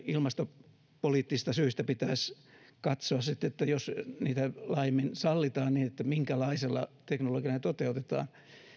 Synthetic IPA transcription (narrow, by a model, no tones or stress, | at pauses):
ilmɑst̪o | poliːt̪ːisist̪ɑsyːst̪æpit̪æːs | kɑt̪soɑssit̪ːet̪ːæjosniːt̪ælɑːiminsɑlːit̪ɑːnniːnet̪ːæmiŋkælɑiselːɑ̰t̪eknoloɡiɑnet̪ot̪eut̪et̪ɑ̰ːn